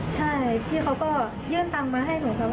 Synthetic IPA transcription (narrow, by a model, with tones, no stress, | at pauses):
t͡ɕʰa˥˩jp̪ʰi˥˩kʰa˦˥wkɔː˥˩ | jɯː˥˩nt̪a˧mːaː˧ɦa˥˩jpʰo˩˦ŋkʰa˧˥